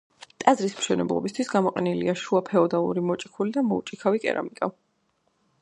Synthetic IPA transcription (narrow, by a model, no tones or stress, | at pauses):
t̪ʼazɾismʃɛnɛ̰blˠɔ̰bist̪ʰwisɡamɔqʼɛnilḭaʃuapʰɛɔd̪alˠṵɾimɔt͡ʃʼikʰulid̪amɔut͡ʃʼikʰavikʼɛ̰ɾa̰mikʼa